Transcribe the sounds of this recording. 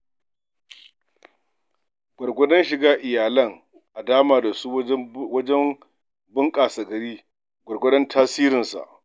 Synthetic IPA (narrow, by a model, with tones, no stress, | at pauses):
ɡʷɔ˨rɡʷɔ˦dɔ˦nʃɪ˨ɡaː˦ʔɪ˨jaː˨lɐ˦ŋ | ʔa˨daː˦maː˨da˨su˦wɐ˦d͡ʒɛ˦m | bɪ˦ŋkʼaː˨sa˨ɡɐ˨ɾiː˦ | ɡʷɔ˨rɡʷɔ˦dɔ˦ntʰaː˦siː˦ɾɪ˨nsa̰˨ʔ